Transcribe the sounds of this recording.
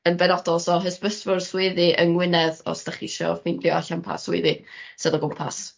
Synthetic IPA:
ənbɛnɔdɔlˠsɔɦəspəsvʊrswɪðɨʔənwɪnɛðɔ̰stəχiʃɔ̰fɪndljɔaɬanpʰa̰swɪ̰ðɨsɨðɔɡʊmpʰa̰s

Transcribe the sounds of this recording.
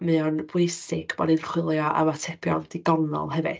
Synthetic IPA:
mɨɔnbwejsɪɡ̥bɔdɨnχwɪlˠjɔʔa̰watʰɛpʰjɔnd̥iɡɔnɔ̰lˠɦɛvɨ̰ð

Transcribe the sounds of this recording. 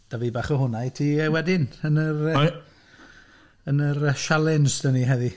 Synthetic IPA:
d̥aviːbaːχɔɦʊnajtʰiɛwɛdɪnənər | ənərəʃalˠɪnsd̥əniɦɛði

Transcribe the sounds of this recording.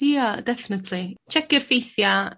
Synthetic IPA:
iadɛfɪnətʰlit͡ʃʰɛkɪrfejθja

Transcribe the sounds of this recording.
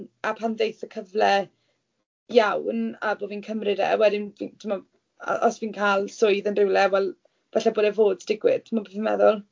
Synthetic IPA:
apʰanðejθəkʰəvlɛ | jawnaboviːnkʰəmrɪdɛ̰wɛdɪnvintʰɪmɔ̰ | ʔɔsviːnkʰaːlˠsʊɨðənrɪwlˠɛwɛlˠ | b̥aɬɛboːdɛvoːd̥sd̥ɪɡwɪtʰmabeθɪnmɛ̰ðʊlˠ

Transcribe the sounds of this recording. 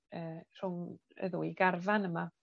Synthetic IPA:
əːr̥ʊŋə̰ðʊiɡarvanəma

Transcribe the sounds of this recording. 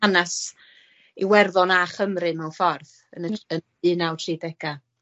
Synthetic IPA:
anas | iwɛrðɔnaχəmrɨmɛwfɔrθ | ənəə | ɨnawtʰriːdɛɡ̥a

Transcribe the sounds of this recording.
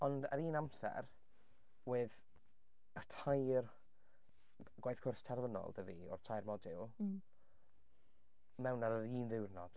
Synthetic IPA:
ɔnda̰ɾiːnamsɛ̰r | wɪð | ətʰajr | ɡwajθkʰʊrstʰɛrvənɔ̰lˠdəviɔ̰rtʰajrmɔdɪlˠ | mɛwnaɾəɾiːnðɪwrnɔd̥

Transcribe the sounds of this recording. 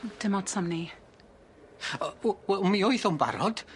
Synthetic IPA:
d̥əmɔtsʰamni | ɛmioɨθɔmba̰ɾɔd̥

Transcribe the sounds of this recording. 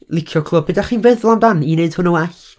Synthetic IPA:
lˠɪkʰjɔkʰlˠʊb̚bədaχiːnvɨðlˠandanineɨd̥hʊnɔwaɬ

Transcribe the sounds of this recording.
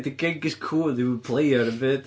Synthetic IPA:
ðəɡɪɡɪz̥kʰulˠðewəd̚pʰl̥eɪəɹəbɪʔ

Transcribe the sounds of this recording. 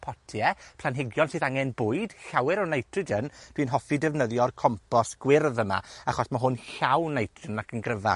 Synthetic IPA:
pʰɔtʰjɛpʰlˠanɦɪɡjɔnsɨːðaŋɛnbʊːɨd̥ɬawɛɾɔnajtʰrəd͡ʒənd̥winɦɔfidɛvnəðjɔrkʰɔmpʰɔsɡ̥wɪrðəma̰aχɔsmaɦʊnɬawnajtʰrənakʰənɡrəva̰

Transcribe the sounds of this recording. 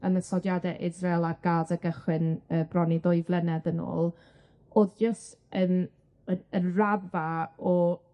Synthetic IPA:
ənəsɔdjadɛʔɪzrelˠaɡ̥alˠdəɡəχwɪnəːbrɔnidʊɨjvlˠɛnɛðəno̰ːlˠ | oːðd͡ʒəstən | əənravaɔ

